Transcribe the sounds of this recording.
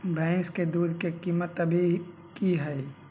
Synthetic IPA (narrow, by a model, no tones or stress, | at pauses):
bɛ̃ːsked̪uːd̪kekiːmət̪ɐbʱi | kiɦɛ